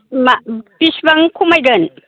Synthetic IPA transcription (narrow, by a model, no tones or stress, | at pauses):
mapisbaŋkʰumajɡɐn